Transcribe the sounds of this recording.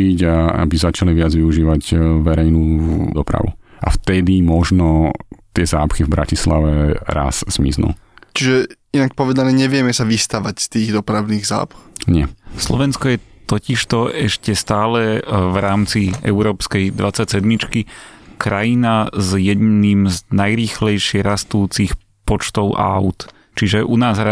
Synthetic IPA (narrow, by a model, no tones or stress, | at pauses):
iɟaa̰bizat͡ʃaliʋɪad͡zʋiuʒiːʋaɟʋɛɾɛjnuːɔpɾa̰ʋṵʔa̰ft̪ɛd̪imɔʒnɔt̪ɪɛzaːpxivbɾa̰cisla̰ʋɛɾa̰sz̥mḭznṵ | t͡ʃiʒɛ | inak̚pɔʋɛd̪anɛːɲɛʋɪɛmɛsaʋist̪aʋacst̪iːɣd̪ɔpɾaʊniːɣza̰ːpxɲɪɛslɔ̰ʋɛnskɔjɛt̪ɔciʃt̪ɔɛʃcɛst̪aːlɛvɾaːmt͡siɛ̰ʊɾɔːpskɛjd̪ʋat͡sacsɛd̪mit͡ʃkikɾajinazjɛd̪nimznajɾiːxlɛjʃɪɛɾast̪uːt͡six | pɔt͡ʃt̪ɔʊʔa̰ʊt̪ | t͡ʃiʒɛʔunaːza